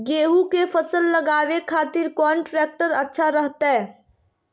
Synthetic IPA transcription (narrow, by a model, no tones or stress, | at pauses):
ɡeːɦukefʰəsəlːəɡaːwekʰaːt̪ɪɾkɔːɳʈɾɛːk̚ʈəɾɐtːʃʰaɾəɦt̪aɦɛː